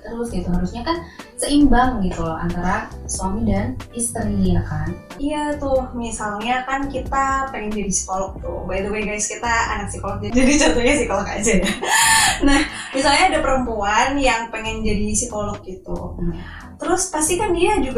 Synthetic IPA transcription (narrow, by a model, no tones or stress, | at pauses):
t̪əɾʊsɡit̪uɦaɾusɲakansəʔimbaŋɡit̪ua̰nt̪aɾasuamidanhist̪əɾiakan | ijat̪ʊhmisalɲakankit̪apɛŋɛnd͡ʒadisi̥kolɔk̚t̪ʊ̰hbajt̪uɡajɡajskit̪aa̰nak̚sikolɔk̚d͡ʒad͡ʒadit͡ʃat̪oɲasikolɔka̰d͡ʒaja | nahmisalɲaːdapəɾəmpuanjaŋpɛŋɛŋd͡ʒadisikolɔk̚ɡit̪ṵ | t̪əɾʊspast̪ikandiad͡ʒuɡ